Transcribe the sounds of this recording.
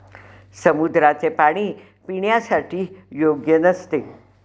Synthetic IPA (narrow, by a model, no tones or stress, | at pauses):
səmud̪ɾat͡sepaɽ̃iː | piɳjasaʈʰiːjoɡjənəst̪e